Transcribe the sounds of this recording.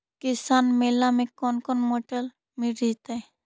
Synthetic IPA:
kɪsaːnmeːlamẽkonkonmoːʈəl | miɾit̪e

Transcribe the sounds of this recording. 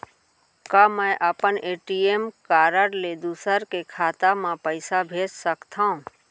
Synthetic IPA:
kamə̃jʔəpəneːʈiemkaːɾəɾled̪usəɾkekʰaːt̪amãpəɪsabʱeːd͡ʒsəkt̪ʰã

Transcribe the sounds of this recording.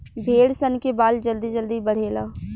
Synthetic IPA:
bʱeːɽsənkebaːld͡ʒəld̪id͡ʒəld̪ibɐɽ̤eːlaː

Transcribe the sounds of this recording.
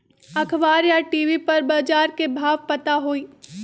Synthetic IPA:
ɐkʰbaːɾjaʈiːʋipɐɾbaːd͡ʒaːɾkebʱaːʋpɐt̪aɦoːiː

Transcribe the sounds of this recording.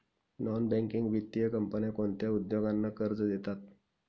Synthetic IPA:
nɔnbɛ̃ŋkiŋɡʋit̪ːijəkəmpənakoɳt̪jaud̪joɡanːakəɾd͡zəd̪et̪at̪̚

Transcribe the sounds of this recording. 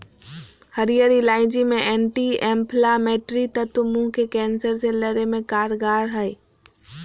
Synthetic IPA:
həɾijəɾilaːɪ̃d͡ʒimẽɛːɳʈiɛ̃ːmpʰlamɛːʈɾit̪ət̪umũkekɛːnsəɾseləɾemẽkaːɾɡaːɾɦəi

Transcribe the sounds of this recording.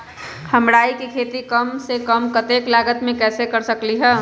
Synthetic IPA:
kʰɐmɽaːikikʰeːt̪ikɐmsekəmkɐt̪eːklaːɡət̪mẽkɛːsekɐɾsɐkliɦɛː

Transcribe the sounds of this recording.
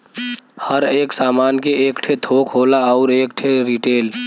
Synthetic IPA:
həɾeːksaːmaːnkeeːkʈʰet̪ʰoːkʰɦoːlaɔːɾeːkʈʰeɾiʈeːl

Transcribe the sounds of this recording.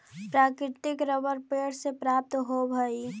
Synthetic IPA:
pɾaːkɾɪt̪ɪkɾəbəɾpeɽsepɾap̚t̪ɦobʱəi

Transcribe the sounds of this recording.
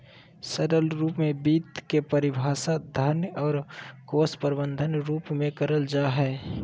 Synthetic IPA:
səɾəlɾuːpmẽbiːt̪kepəɾɪbʱaːsad̪ʱaːɾnjəɔːɾkoːspəɾbə̃nd̪ʱənɾuːpmẽkəɾəld͡ʒaɦɛː

